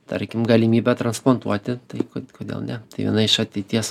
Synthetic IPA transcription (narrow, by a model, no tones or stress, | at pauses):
t̪ɐ̰ɾʲkʲɪmɡɐlʲimʲiːbʲɛt̪ɾɐnsplˠoːnt̪uɔt̪ʲɪt̪ɐɪkokoːd̪ʲḛːlˠnʲɛt̪ɐɪʋʲiɛ̰nɐɪʃɐt̪ʲɛɪt̪ʲiɛs